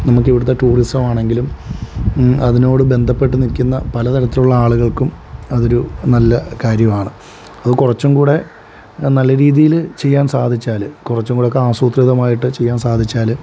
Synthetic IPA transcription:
nɐmuk̬ːiʋiɽut̪ːɐʈuːristɐmaːɳe̞ŋɡilum | ɐðino̞ːɽɨbe̞nd̪ʱɐpːe̞ʈːɨnilkːunːɐpɐlɐt̪ɐɾɐt̪ːiluɭːɐaːɭuɣɐɭkumɐðo̞ɾunɐlːɐkaːɾjɐmaːɳɨ | ɐðɨkurɐt͡ɕːumkuːɽe̞ | nɐlːɐɾiːðijilt͡ɕe̞jːaːnsaːd̪ʱit͡ɕːaːlɨkurɐt͡ɕːumŋkuːɽeokːeaːsuːt̪riðɐmaːjiʈːɨt͡ɕe̞jːaːnsaːd̪ʱit͡ɕːaːlɨ

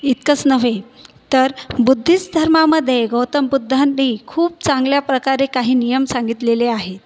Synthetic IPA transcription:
it̪kət͡snəʋe | t̪əɾbud̪ʱːit͡sd̪ʱəɾmaməd̪ʱːjeɡəwt̪əmbud̪ʱːaniːkʰuːp̚t͡sãŋɡljapɾəkaɾekaɦiːnijəmsaŋɡit̪leleaɦet̪

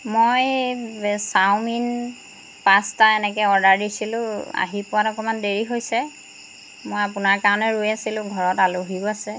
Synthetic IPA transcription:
moj | sawmin | pastaɛnɛk̬ɛɔɹdaɹdisilʊ̃a̰ɦipʊwatɔkɔmandeɹiɦojsɛ | mojapʊnaɹkaɹɔnɛɹujasilʊ̃ɡʱɔɹɔtaloɦiɔasɛ

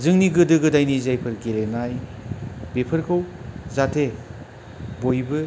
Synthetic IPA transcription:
zɯŋniɡɯdɯɡɯdajnizajpʰɯɾɡelenaj | bepʰɯɾkʰɯwzatʰe | bojbɯ

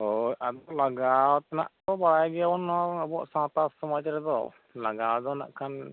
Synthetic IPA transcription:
ɦojʔad̪ɔlaɡawt̪ɛna̰ʔt̪ɔbaɽajɡɛawɔnɔɔbɔʔsãt̪asɔmajt͡ʃaɾɛd̪ɔ̰ | laɡawd̪ɔna̰ʔkʰan

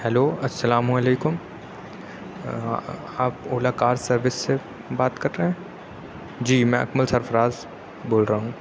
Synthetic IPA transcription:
hɛloːɐsːɐlaːmũɐleːkʊm | aːpoːlaːkaːɾsɐɾʋɪsːe | baːt̪kɐɾeɦɛ̃ː | d͡ʒiːmɛ̃ʔɐ̰kməlsɐɾfɾaːz | boːlɾaɦũː

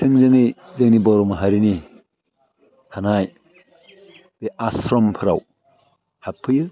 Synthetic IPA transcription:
tʰɯŋzɯŋɯjzɯŋnibɔɾɔmaɦaɾini | hanaj | b̥eʔasɾɔmpʰɯɾa̰w | hapʰːɯjɯ

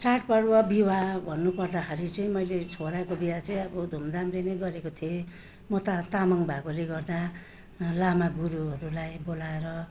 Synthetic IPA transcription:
t͡saʈ̚pʌɽwʌbiwabʱʌnːupʌrd̪akʰaɾit͡sʌĩmʌjlet͡sʰoɾakobijat͡sʌĩʌbʌd̪ʱumd̪amrenʌjɡʌɾekot̪ʰie | mʌt̪at̪amʌŋbʱaɡoleɡʌrd̪a | lamaɡuɾuɦʌɾulajbolaeɾʌ

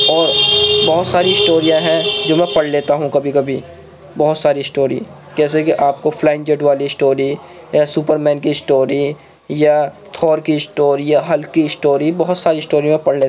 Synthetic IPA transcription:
ɔːɾbɔɦʊt̪saːɾiɪsʈoːɾijãɦɛ̃d͡ʒoːmɛ̃pɐɽleːt̪aɦũkɐbʱikɐbʱi | bɔɦʊt̪saːɾiɪsʈoːɾḭ | kɛːs̬ekiʔaːp̚kofʰlãːɪ̃ɳd͡ʒeʈʋaːlisʈoːɾi | jasuːpəɾmɛ̃ːnkisʈoːɾi | ja | t̪ʰɔːɾkiɪsʈoːɾijaɦɐlkiɪsʈoːɾibɐɦʊt̪saːɾiɪsʈoːɾimẽpɐɽleːt̪

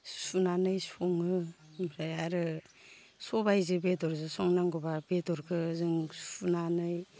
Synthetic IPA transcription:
sunanɯjsɔŋɯbɾajaɾɯ | sɔbajzɯbetɔɾzɯsɔŋnaŋɡɔbabetɔɾkʰɯzɯŋsunanɯj

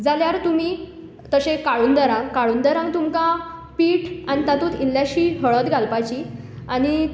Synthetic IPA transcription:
d͡zaljaɾt̪um̤i | t̪əɕẽkaɭuːnd̪əɾãŋɡkaɭuːnd̪əɾãŋɡt̪umkapiːʈañit̪at̪uːt̪ilːjaɕiːɦəɭət̪ɡʱalpat͡ɕiː | aɽ̃i

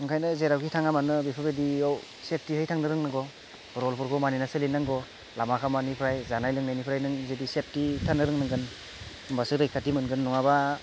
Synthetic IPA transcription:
ɯŋkʰajnɯzeɾawkʰitʰaŋamanɯbepʰɯbediɔw | sep̚tihɯjtʰaŋnɯɾɯŋnɯɡɔ | ɾɔlpʰɔɾkʰɔmaninasɯlinaŋɡɔ | lamakʰamanipʰɾajzanajlɯŋnajnipʰɾajnɯŋzedisep̚titʰanɯɾɯŋnɯŋɡɯn | mbasɯɾɯjkʰatimɯnɡɯnːɔŋaba

